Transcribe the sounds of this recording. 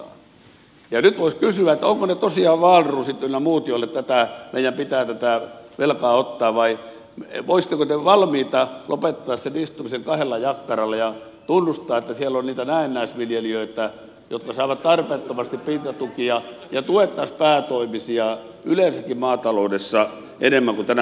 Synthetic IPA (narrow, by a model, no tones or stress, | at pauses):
jɑnyt̪ʋoiskysyæet̪ːæoŋkonet̪osiɑːʋɑːrrːuːsit̪ːylːnːæmuːt̪iolːet̪t̪æt̪æmeijˑæmpit̪æːt̪æt̪æʋelkɑːot̪ːɑːʋʋɑi | mʋoisi̥t̪ːekot̪eʋɑlmiːt̪ɑlopet̪ːɑːssenist̪umiseŋkɑhelːɑjɑkːɑrɑlːɑjɑ | t̪unːust̪ɑːet̪ːæsielːonniːt̪ænæˑenːæˑisʋiljeliøˑiet̪ːæ | jo̰t̪kɑsɑˑiʋɑt̪t̪ɑrpeːt̪ːomɑst̪ippiːt̪ɑt̪ukiɑjɑt̪uet̪ːɑspæːt̪oimisiɑ | ylensækːimɑːt̪ɑloudesːɑ | ʔenemːæŋkut̪ænæ